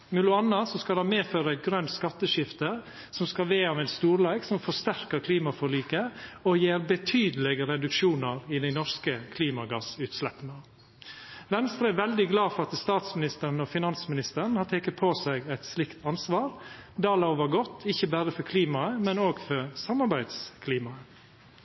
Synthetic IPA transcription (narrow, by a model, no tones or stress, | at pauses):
mʉlʊɑnɑsɔskɑlɑːmeːføːɾəɡɾœnt̪skɑt̪ːəʃɪft̪ə | sɔmskɑʋeːɑʋæɪt̪st̪uːɾlæːɡsɔmfɔst̪æɾkəɾkʰliːmɑfɔɭiːkəɔjeːɾbət̪ʰyːd̪əlɛɡəɾɛd̪ʉkʃuːnɑɾɪd̪æɪnɔɾskəkʰliːmɑɡɑsʉːt̪slɛpːnə | ʋɛnst̪ɾəɛʋɛld̪ɪɡlɑːfɔɾɑt̪st̪ɑːt̪smɪnɪst̪əɾənɔfɪnɑnsmɪnɪst̪əɾəɳ̩hɑːʈ̪ʰeːkət̪̚pʰoːsæɪɡæɪt̪slɪkt̪ʰɑnsʋɑːɾd̪ɑːlɑʊʋəɾɡɔt̪ːɪçəbæːɾəfɔɾkʰliːmɑəmɛnoːɡfɔɾsɑmːɑɾbæɪd̪skʰliːmɑə